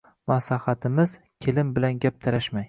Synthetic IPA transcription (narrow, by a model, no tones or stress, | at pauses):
maslahat̪ʰɪmɪz | kʲʰelɪmbɪlanɡʲap̚t̪ʰaɾaʃmaj